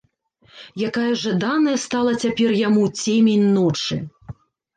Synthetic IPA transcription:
jakajɐʐad̪anɐjɐst̪alˠɐt͡sʲapʲɛrjamut͡sʲemʲenʲnɔt͡ʂɨ̰

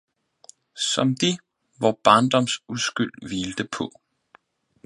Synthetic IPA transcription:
sɒ̽md̥i | ʋɒb̥ɑ̈ːnd̥ɒ̽msusɡ̥yl̰ʋiːld̥əpʰɔ̽

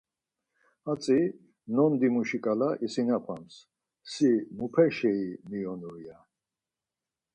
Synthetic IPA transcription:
at͡sʼi | nɔnd̪imuʃikʼalaʔisinapʰams | simupʰɛʃɛimiɔnuɾia

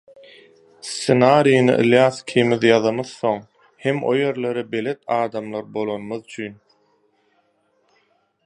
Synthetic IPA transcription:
senɑːɾijnɯ̰ʔɯ̰lˠjɑːθkʲʰimiðjɑðɑmɯðθo̞ŋ | he̞mʔo̞̰je̞ɾle̞ɾibe̞let̪̚ʰɑːd̪ɑmlˠɑɾbo̞lˠonmɯðyt͡ʃʰyn

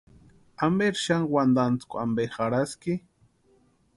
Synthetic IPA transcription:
ambeɾʃaŋwand̪ant͡skʷa̰mbexaɾaskɪ

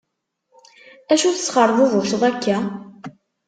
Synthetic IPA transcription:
æʃuθəsχəɾˤðˤʊvʊʃʁækːæ

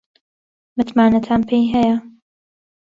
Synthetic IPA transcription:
mɨt̪maːnɐt̪ʰaːnpʰejɦɛjɐ

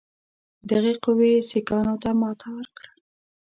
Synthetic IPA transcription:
d̪əɣeqʊwesikɑnot̪amɑt̪ʰɑwɾkɽə

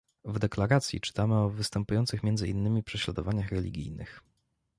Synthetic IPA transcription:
vd̪ɛklaɾat̪sʲjḭt͡ʂɘ̥t̪amɘɔvɘst̪ɛmpujɔnt̪sɘxmʲjɛndzɘinːɘmʲipʂɛɕla̰d̪ɔvaɲaxɾɛlʲḭɡʲḭjnɘ̰x

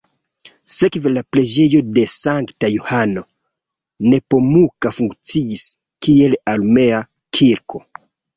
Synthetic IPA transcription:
se̞kvelaple̞d͡ʒe̞jo̞de̞saŋktajohano̞ | ne̞po̞mukafuŋkt͡siis | kie̞lalme̞a | kʰiɾkʰo̞

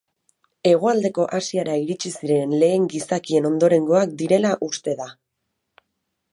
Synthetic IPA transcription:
e̞ɣ̞oald̪e̞ko̞ʔasiaɾaiɾit͡ʃisiɾe̞nle̞ːŋɡisakie̞no̞nd̪o̞ɾe̞ŋɡo̞ak̚d̪iɾe̞laʔust̪e̞ða

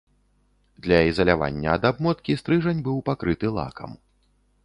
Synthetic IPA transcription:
d̪lʲɐizɐlʲava̰nʲːɐːd̪abmɔt̪kʲist̪ɾɨʐɐnʲbɨwpakɾɨt̪ɨlˠa̰kɐ̰m

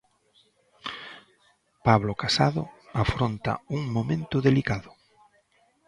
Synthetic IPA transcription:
paβlokasaðʊ̰afɾont̪a̰uŋmomẽnt̪ʊðelikaðʊ

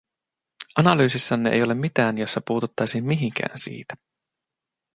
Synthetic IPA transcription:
ɑnɑlyːsisːɑnːeʔḛjo̞le̞mːit̪æːnjosːɑpuːt̪ut̪ːɑjsiːmmiɦiŋk̟ʰæ̰ːnsḭːt̪æ̥

